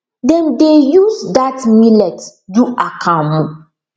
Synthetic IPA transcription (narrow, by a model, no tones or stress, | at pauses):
dɛ̃ndejuzdatmilɛtduʔakʰãmũ